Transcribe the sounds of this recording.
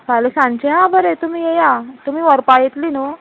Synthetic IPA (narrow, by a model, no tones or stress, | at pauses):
kajlisãɲt͡ɕeɦãbəɾet̪um̤iːjejat̪umiːʋəɾpajit̪linu